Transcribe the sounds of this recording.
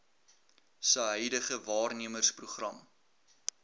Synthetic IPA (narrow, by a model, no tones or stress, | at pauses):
səɦœjdəχəvɑːrniəmərspruχrɐm